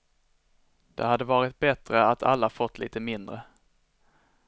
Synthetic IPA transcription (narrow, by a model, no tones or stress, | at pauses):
d̪̥ɛhad̪ːəvɑːɾɪt̪̚bɛt̪ɾəat̪ʰa̰lːafɔt̪ːlḭːt̪əmɪnd̪ɾə